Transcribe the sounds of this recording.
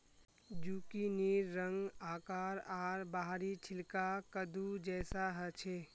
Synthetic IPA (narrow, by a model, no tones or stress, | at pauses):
d͡ʒuːkiniːɾːəŋɡaːkaːɾaːɾbaːɦɾit͡ʃʰɪlkakəd̪ʱud͡ʒɛːsaɦət͡ʃʰeː